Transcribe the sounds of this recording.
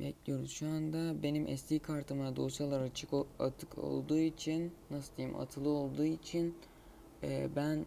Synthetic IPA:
bɛ̰clʲijo̞ɾuz̥ʃuand̪abe̞nimʔɛ̰st̪ʰiːkʰaɾt̪ʰɯmad̪o̞salˠaɾat͡ʃʰɯka̰t̪ʰɯkʰo̞̰lˠd̪uːit͡ʃʰinːasɯ̥d̪ijɯmʔa̰t̪ʰɯlˠɯo̞lˠd̪uːit͡ʃʰin | ɛ̰ːbæn

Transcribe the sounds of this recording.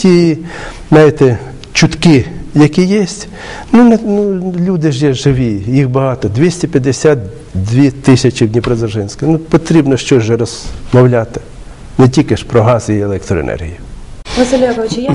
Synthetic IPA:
tʲi | nɑjɪt̪ɛ | t͡ʃʊt̪kɪjɐkʲijisʲtʲ | nunɛnulʲud̪ɪʒjɛʒɪʋijixbɐɦɑt̪ɔd̪ʲʋʲisʲtʲɪpʲjɐd̪esʲat̪̚ | d̪ʲʋʲit̪ɪsʲɐt͡ʃiwdʲnʲipɾɐzɐʒɪnʲsʲkɪnupɔt̪ɾʲibnɔʃt͡ʃɔːɛɾɔzmɔwlʲat̪ɪ̥ | nɛtʲikɪʃpɾɔɦɑzʲijielˠɛk̚t̪ɾɔḛnɛ̰rɦʲḭjiʋɐzʲɪlʲɐbt͡ʃɪj

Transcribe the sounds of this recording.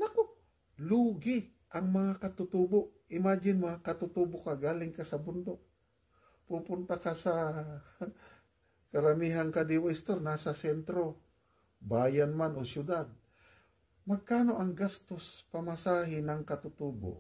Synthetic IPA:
nɐko | luːɡɪ | ʔɐŋmɐŋakɐt̪ʊt̪uboʔʔɪmaːd͡ʒɪnmɐŋakɐt̪ʊt̪uːbokaɡaːlɪŋkasɐbʊnd̪ok̚ | pupʊnt̪akasɐ | kɐɾɐmiːɦankad̪iwaʔɪst̪oɾnasɐsɛnt̪ɾo̞ | baːjanmanosjʊd̪ad̪̚ | mɐɡ̚kaːno̞ʔɐŋɡast̪ospɐmasaːɦɪnɐŋkɐt̪ʊt̪uːbo̰ʔ

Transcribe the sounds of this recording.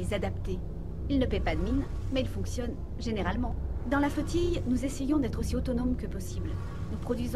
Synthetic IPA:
ezad̪apt̪e | ilnəpɛpad̪əmin | mɛilfɔ̃ksjɔn | ʒeneʁalmɑ̃d̪ɑ̃lafot̪ijnuzesejɔ̃d̪ɛt̪χosiot̪ɔnɔmkəpɔsibl | nupχɔd̪ɥiz̃

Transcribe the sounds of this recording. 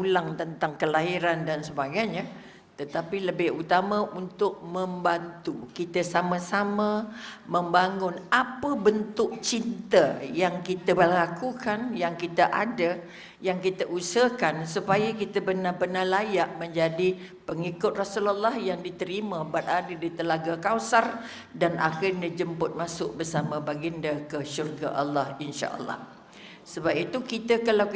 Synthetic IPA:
ulaŋt̪ənt̪aŋkəlaɦiɾandansəbaɡajɲã | t̪ət̪apiləbɪhut̪amãʔunt̪ʊk̚mə̃mbant̪ukit̪əsamasaməmə̃mbaŋʊnapəbənt̪ʊʔ̚t͡ʃint̪əjaŋkit̪əəlakukanjaŋkit̪əʔadə | jaŋkit̪əʔusəkansupajakit̪əbərnabənalajaʔmə̃ɲd͡ʒadi | pəŋikʊt̪̚rasulalːɑhjaŋdit̪əɾimə̃bat̪̚adədit̪əlaɡakawsar | danʔa̰xɪrnəd͡ʒəmpʊt̪̚masʊʔ̚bərsamə̃baɡindakəʃurɡa̰ʔa̰lːɑhinʃa̰ʔə̰lːɑ̰h | səbap̚it̪ukit̪əkala

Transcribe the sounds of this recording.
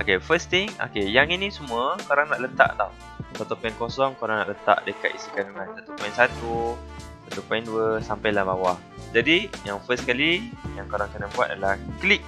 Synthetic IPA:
okefəst̪iŋo̰kejaŋinĩsumuəkoɾaŋnaʔlət̪a̰ʔt̪aw | sat̪upainkosɔŋkoɾaŋna̰ʔlət̪a̰ʔdəka̰t̪̚isikanuŋãnt̪at̪upajnsat̪u | sat̪upainduəsampajlahbawah | d͡ʒadijaŋfəskalijaŋkoɾaŋkənəbua̰t̪̚a̰dəlahklik̚

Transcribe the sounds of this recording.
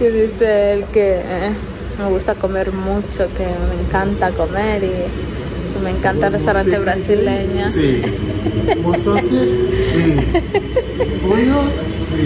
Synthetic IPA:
keðiseelke | meɣust̪akomeɾmut͡ʃokemeŋkant̪akomeɾi | kemeːŋkant̪arest̪awɾant̪eβɾasileɲasi | mososisi | pujo | si

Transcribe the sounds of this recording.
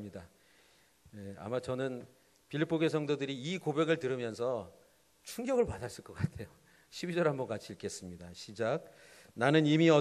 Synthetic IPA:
mɲida | jea̰mat͡ɕʌnɯn | pʰiɭːipʰoɡesʰʌŋdodɯɾiːkobe̞ɡɯɭtɯɾɯmjʌnsʰʌ | t͡ɕʰuŋɡjʌɡɯɭpadas͈ɯɭk͈ʌk͈atʰe̞jo | ɕʰibid͡ʑʌɾɦambʌnk͈at͡ɕʰiːɭkʰe̞s͈ɯmɲidaɕʰid͡ʑaɡ̚ | nanɯnimiʌ

